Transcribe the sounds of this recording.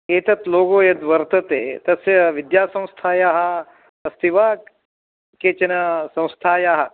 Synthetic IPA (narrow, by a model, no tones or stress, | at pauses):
eːt̪ɐt̪loːɡoːjɐd̪ʋɐɾt̪ɐt̪eːt̪ɐsjɐʋid̪jaːsɐ̃w̃st̪ʰaːjaːɦɐ | ɐst̪ʰiʋaːk | keːt͡ʃɐnɐsɐ̃w̃st̪ʰaːjaːɦɐ